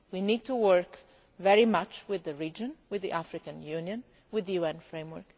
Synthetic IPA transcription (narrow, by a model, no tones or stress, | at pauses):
winid̚tuwəɹk | vɛɹimʌt͡ʃwɪðəɹid͡ʒə̃nwɪððḭʔafɹɪkə̃njũnjə̃n | wɪðəjuɛ̃nfɹẽɪ̃mwə̰˞k